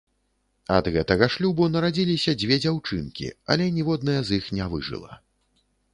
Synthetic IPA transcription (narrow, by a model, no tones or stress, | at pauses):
ɐ̰d̪ɣɛt̪ɐɣɐʂlʲubunɐɾad͡zʲilʲisʲɐd͡zʲvʲɛd͡zʲawt͡ʂɨnkʲḭɐ̰lʲɛnʲivɔd̪nɐjɐzixnʲavɨ̰ʐɨ̰lˠɐ̰